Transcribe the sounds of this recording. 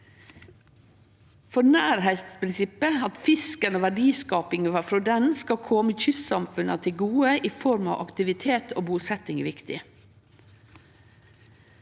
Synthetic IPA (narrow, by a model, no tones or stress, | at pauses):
fɔnæːɾhɛɪt̪spʰɾɪnsɪpəɑt̪fɪskənoːʋæɖiːskɑːpɪŋʋɑfɾɔd̪ɛnskɑkʰɔməçʏssɑmfʉnɑt̪ʰɪɡuːəʔiːfɔɾmɑ̰ːʔɑ̰kt̪ɪʋɪt̪ʰeːt̪ʰo̰ːbuːsɛt̪ɪŋʋɪkt̪ɪ